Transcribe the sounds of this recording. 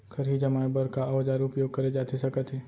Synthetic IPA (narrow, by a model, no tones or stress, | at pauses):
kʰɐɾɦid͡ʒɐmaːjbəɾkaʔɐʋd͡ʒaːɾʊpjoːɡ̚kɐɾed͡ʒaːt̪esɐkət̪ɦeː